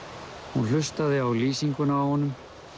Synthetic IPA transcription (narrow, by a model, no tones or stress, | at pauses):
hunl̥ʏst̪aðɪawliːsiŋkʏnaːwhɔnːʏm